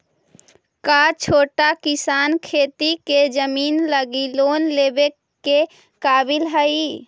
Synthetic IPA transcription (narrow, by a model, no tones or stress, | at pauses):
kat͡ʃʰoːʈakɪsaːnkʰeːt̪iked͡ʒəmiːnləɡiloːnleːbe | ke | kaːbɪlɦəi